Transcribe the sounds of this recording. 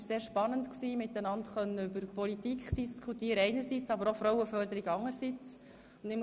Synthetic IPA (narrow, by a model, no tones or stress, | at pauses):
seːɾʃpɑnəntksiːmɪt̪ənɑntχœnːəʏbəɾpɔlitikχd̥iskʰutiːəɾəɛɪnəɾsit͡sɑbəɾɔfɾɔwəfœɾdəɾiɡɑŋːəɾsit͡s | ʊndɪm